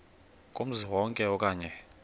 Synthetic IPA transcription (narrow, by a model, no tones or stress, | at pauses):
kʼom̩ziwɔŋkʼɛɔkʼaːɲɛ